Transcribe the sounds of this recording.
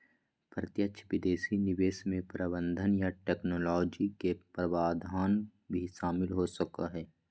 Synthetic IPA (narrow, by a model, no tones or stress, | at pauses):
pɾət̪jətʃʰʋɪd̪eːsinɪʋeːsmẽpɾəbə̃nd̪ʱənjaʈɛːknoːlɔːd͡ʒikepɾəʋaːd̪ʱaːnbʱiʃaːmɪlɦosəkaɦɛː